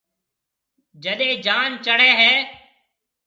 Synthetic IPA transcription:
d͡ʒəɗẽːd͡ʒaːnt͡ʃəɽɛːɦɛː

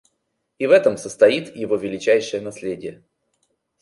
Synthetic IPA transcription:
ivɛt̪əmsəst̪ɐit̪jɪvo̞vʲɪlʲɪt͡ɕæjʂɨjənɐsʲlʲedʲɪjə

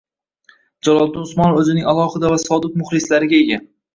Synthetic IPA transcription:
d͡ʒalˠɒlˠd̪ɪnʊsmɒnɵzɪnɪŋʲalˠɒhɨd̪avasɒd̪ɪt̪̚mʊχlɪslaɾɪɡʲaeɡʲa

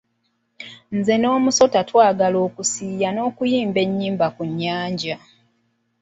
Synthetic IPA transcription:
nze̞no̞ːmuso̞tatwaːɡalo̞ːkusiːjano̞ːkujiːmbe̞ɲːiːmbakuɲːaːɲɟa

